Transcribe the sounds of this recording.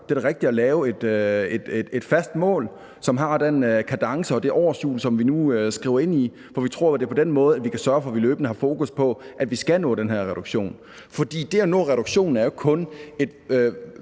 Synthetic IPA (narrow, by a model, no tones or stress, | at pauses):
d̥e̝æ̥ʁɛɡ̥̚d̥id̥ɒlɛːʊe̝d̥øed̥ed̥ed̥fæsd̥mɔ̰̽ːl | sɒ̽mɦɑ̈d̥enkʰæd̥ɑ̈ŋsəɒ̽d̥e̝ʔɒːɐsjṵːlsɒ̽mʋinuøsɡ̥ʁḭʊɐe̝n̰i | fɒʋit͡sʰʁo̝ɐ̰d̥e̝ɐpʰɒ̽d̥enmɔ̽ːð̞̩ˠædʋikʰæsɶɐfɒ̽ʋiløːb̥nəhɑ̈fo̝ːkuspʰɒ̽ʔæd̥ʋisɡ̥ænɔ̰̽ːd̥enɦæɐ̰ʁɛɾ̥uɡ̥ɕo̝̰ːn | fɒ̽d̥ḭːd̥e̝ænɔ̰̽ːʁɛɾ̥uɡ̥ɕo̝̰ːn̩æɐjo̝kʰɔ̽ne̝d̥ø